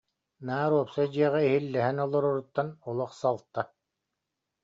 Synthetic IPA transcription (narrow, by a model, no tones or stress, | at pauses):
naːɾuɔpsad͡ʑiɛʁɛiɦilːɛɦɛnɔlˠɔɾuɾut̪ːanulˠɔχsalˠt̪ːa